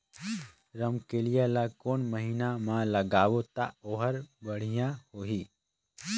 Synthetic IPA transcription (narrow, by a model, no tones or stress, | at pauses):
ɾəmkelɪjalakoːnməɦiːnamãləɡaːʋot̪a̰oːɦəɾbəɽ̤ijãhoːɦiː